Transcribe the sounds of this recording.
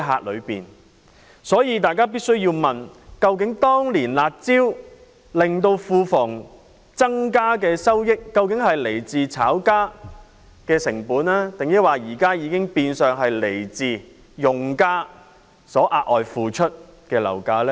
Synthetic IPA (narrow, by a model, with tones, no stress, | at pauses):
ɦaː˧k̚lɵ˨˧ɥpḭː˨n | sɔː˨˥jiː˧t̪aː˨jkaː˥piː˥t̚sɵ˥ɥjiː˧wmɐ˨nkɐ˧wk̬ɪ˨˥ŋt̪ɔː˥ŋliː˨˩nlaː˨˧t̚t͡siː˥w | lɪ˨ŋt̪o˧wfuː˧fʊ˨˩ŋ | t͡sɐ˥ŋkaː˥kɛː˧sɐ˥wjɪ˥kːɐ˧wkɪ˨˥ŋhɐ˨jle˨˩jt͡siː˨t͡sʰaː˨˥wkaː˥ | kɛː˧sɪ˨˩ŋpuː˨˥naː˥t̪ɪ˨ŋjɐ˥t̚waː˨˩jiː˨˩kaː˥jiː˨˧kɪ˥ŋpiː˧nsœː˨ŋɦɐ˨jle˨˩jt͡siː˨˧ | jʊ˨ŋkaː˥ | sɔː˨˥ʔaː˧ʔ̚ʔɔː˨jfuː˨˧t͡ʃʰɵ˥t̚ | kɛː˧lɐ̰˨˩wkaː˨˥lɛː˦˥